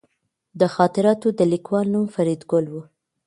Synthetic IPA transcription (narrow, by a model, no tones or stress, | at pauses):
d̪əxɑt̪ɪɾɑt̪od̪əlikwɑlnumfaɾid̪ɡʊlwu